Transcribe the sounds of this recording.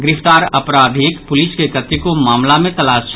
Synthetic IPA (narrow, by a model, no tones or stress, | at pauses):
ɡɪɾɪft̪aːɾɐpɾaːd̪ʱeːkpʊlɪskekɐt̪ːikomaːmlamẽt̪ɐlaːst͡ʃ